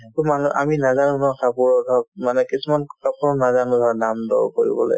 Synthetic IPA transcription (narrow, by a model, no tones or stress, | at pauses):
tumanuʔa̰minazanunɔkapuɹɔdʱɔmanɛkisumankapuɹɔnazanudʱɔdamdɔ̰ɹṵkoɹḭbɔ̰lo̰j